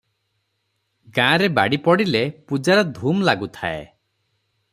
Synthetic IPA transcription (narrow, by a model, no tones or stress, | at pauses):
ɡãːɾebaɽipɔɽilepud͡ʒaɾɔd̪ʱumlaɡut̪ʰa̰ḛ